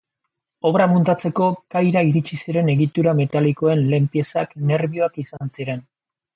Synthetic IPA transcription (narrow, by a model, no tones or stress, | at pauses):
o̞βɾamunt̪at͡se̞ko̞kajɾaiɾit͡ʃisiɾe̞ne̞ɣit̪uɾame̞t̪aliko̞e̞nle̞mpje̞sakne̞ɾβio̞akisansiɾe̞n